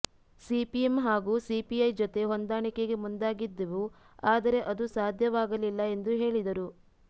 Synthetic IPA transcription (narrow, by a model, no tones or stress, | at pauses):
sipiemɦaːɡuːsipiɐjd͡ʒot̪e̞ɦond̪aːɳike̞ɡe̞mund̪aːɡid̪ːɐʋu | aːd̪ɐɾe̞ʔɐd̪usaːd̪ʱjɐʋaːɡɐlilːɐe̞nd̪uɦe̞ːɭid̪ɐɾu